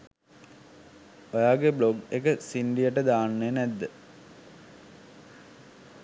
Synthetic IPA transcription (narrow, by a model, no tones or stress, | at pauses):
ojaːɡebloɡekəsinɖijəʈəd̪aːnːenæd̪ːə